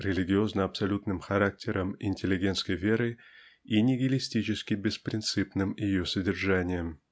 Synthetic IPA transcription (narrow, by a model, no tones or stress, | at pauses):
ɾʲɪlʲɪɡʲɪo̞znəɐpsɐlʲut̪nɨmxɐɾak̚tʲɪɾəmɪnʲtʲɪlʲɪɡʲent̪skəjvʲeɾɨ | inʲɪɡʲɪlʲɪsʲtʲit͡ɕɪskʲɪbʲɪspɾʲɪnt̪sɨpnɨmjɪjosədʲɪrʐanʲɪjəm